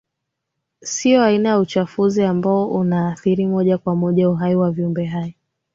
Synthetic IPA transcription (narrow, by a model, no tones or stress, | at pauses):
siɔainajaut͡ʃafuziambaɔʔunaːθiɾimɔʄakwamɔʄauɦaiwaviumbɛɦaji